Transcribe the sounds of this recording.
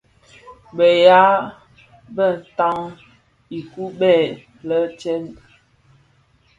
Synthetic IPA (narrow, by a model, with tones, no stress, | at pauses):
bə˨ja˦ | bə˦˨n˨ta˦ŋ | i˨ku˦bɛ˦˨ | lə˦t͡ʃɛ˦n